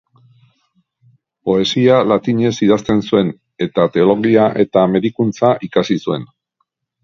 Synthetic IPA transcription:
po̞e̞sialat̪iɲe̞siðast̪e̞nsue̞n | e̞t̪at̪e̞o̞lo̞ɣiaʔe̞t̪ame̞ðikunt͡saʔikasisue̞̰n

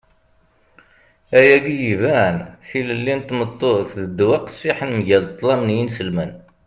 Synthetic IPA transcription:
æjæɡijivænθiləlːint̪ːmət̪ˤːoθðəd̪ːwaqsiħənmʝælt̪ˤːlɑmnjinsəlmən

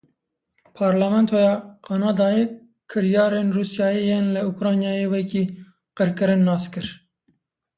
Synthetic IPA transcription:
pʰɑːɾlamɛnt̪ʰojɑːqʰɑnɑːd̪ɑːje | kʰːɨɾjɑːɾeːnruːsjɑːjejeːnlɛukɾɑːnjɑːjeːwɛkiː | qɨɾkɨɾɨnːɑːskɨɾ

